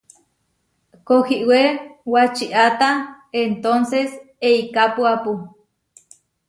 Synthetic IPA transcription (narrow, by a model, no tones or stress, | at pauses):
kohiʔwewat͡ʃiʔat̪a | ent̪onses | eikapuapu